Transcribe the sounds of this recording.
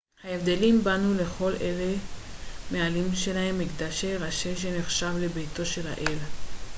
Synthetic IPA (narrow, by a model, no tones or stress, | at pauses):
haevd̪elimbanule̞χo̞le̞le | mealimʃe̞lahe̞mːiɡd̪aʃeʁaʃeʃ̬e̞neχʃavle̞bejto̞ʃela̰ʔel